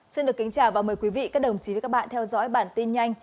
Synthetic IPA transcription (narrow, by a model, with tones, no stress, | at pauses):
si˧nɗɨ˨˩əkːï˨˦ŋ̟t͡ɕaː˧˩wvaː˨˩wməː˨˩jkwi˨˦vḭ˧˨kaː˦˥k̚ɗə˨˩wŋ͡mt͡ɕi˨˦ə˨˦kːaː˦˥kɓa̰ː˧˨nt̪ʰɛ˧wzɔ̰ː˧˥jɓaː˧˩nt̪i˧nɲa˧jŋ̟